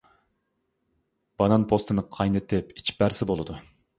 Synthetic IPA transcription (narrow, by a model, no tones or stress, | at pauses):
b̥ɑnɑnpʰost̪ʰɨnɨqʰɑjnɨt̪ʰːɪpi̥t͡ʃʰbæɾsɪbolˠɨd̪u